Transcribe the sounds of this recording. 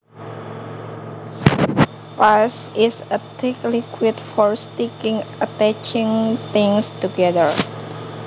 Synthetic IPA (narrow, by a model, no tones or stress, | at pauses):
pasɪsət̪ʰɪklikʰwitfɔɹstikɪ̃ŋʔət̪ɛt͡ʃɪ̃ŋt̪ɪ̃ŋst̪uɡɛdəɹ